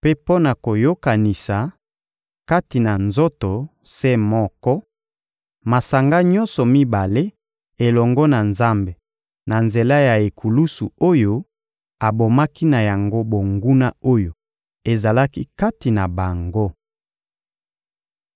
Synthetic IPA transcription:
pe˦po˦na˨ko˨jo˦ka˨ni˨sa˨ | ka˦ti˨na˨nzo˦to˨ | se˦mɔ˦kɔ˦ | ma˨sa˨ŋɡa˦ɲɔ̃˦nsɔ˨mi˦ba˨le˦ | e˨lɔ˨ŋɡɔ˦na˨nza˦mbe˨ | na˨nze˨la˦ja˨e˨kʰu˨lu˦su˨o˦jo˦ | a˨bo˨ma˦ki˦na˨ja˨ŋɡo˦bo˨ŋɡu˦na˦o˦jo˨ | e˨za˨la˦ki˦ka˦ti˨na˨ba˨ŋɡo˦

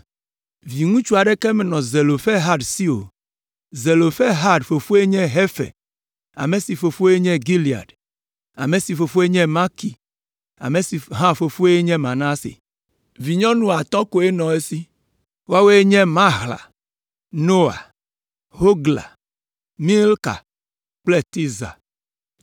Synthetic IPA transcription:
vi˨ŋũ˦t͡ʃu˦a˨ɖe˦kɛ˦me˨nɔ̃˨ze˨lo˨fɛ˦ɦa˦ɖsi˦o̰˨ | ze˨lo˨fɛ˦ɦa˦ɖfo˨fo˦e˦ɲɛ̃˦ɦe˦fḛ˨ | a̰˨me˨si˨fo˨fo˦e˦ɲɛ̃˦ɡi˦li˨a̰˨ɖ | a̰˨me˨si˨fo˨fo˦e˦ɲɛ̃˦mã˦ki˨ | a̰˨me˨si˨ɦã˦fo˨fo˦e˦ɲɛ̃˦mã˨nã˦sḛ˨ | vi˨ɲɔ̃˦nũ˦a˨t̪ɔ̃˦ko˨e˦nɔ̃˨e˦si˦ | wa˦we˦e˦ɲɛ̃˦mã˦ɣla̰˨ | no˦a̰˨ | ho˦ɡla̰˨ | mi˦lka̰˨ | k͡ple˦t̪i˦za̰˨

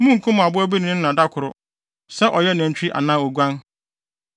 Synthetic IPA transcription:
mũ˦ŋ̩˨kʰʊ̃˦mʊ̃˨a˨bʊ˦æ˦bi˦nɪ̃˨nɪ̃˦nã˨da˦kʰʊ˨ɾʊ̰˦˨ | sɛ˦ʔɔ˨jɛ˦nã˨ɲ̩˨t͡ɕᶣʰi˦ʔa̰˨nãː˦o˨ɡʷã˦n

